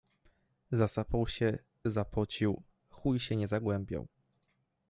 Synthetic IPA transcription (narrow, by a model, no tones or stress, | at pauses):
zasapawɕɛ | zapɔt͡ɕiw | xujɕɛɲɛzaɡwɛmbʲja̰w